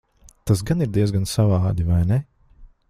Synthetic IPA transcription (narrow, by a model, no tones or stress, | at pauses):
t̪asɡaniɾd̪iɛzɡansavɑːd̪ivajnɛ